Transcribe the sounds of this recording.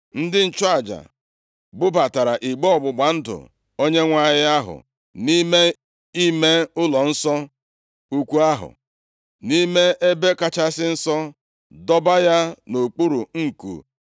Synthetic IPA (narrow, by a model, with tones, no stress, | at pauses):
n̩˦dɪ˦n̩˦˨t͡ʃʊ˦a˨d͡ʒa̰˨ | bʊ˦ba˨ta˨ɾa˨ʔi˨ɡ͡bɔ˦ɔ˨ɡ͡bʊ˨ɡ͡ba˨n̩˦dʊ̰˨ | o˦ɲe˦ŋʷa˦ɦɪ˦a˦ɦʊ̰˨ | ni˦me˦ | i˦me˦ʊ˦lɔ˨n̩˦sɔ˦ | u˦kʷu˦a˦ɦʊ̰˨ | ni˦me˦e˦be˦ka˦t͡ʃa˦sɪ˦n̩˦sɔ˦ | dɔ˦ba˦ja˦no˨k͡pu˦ɾu˨ŋ̩˨kṵ˨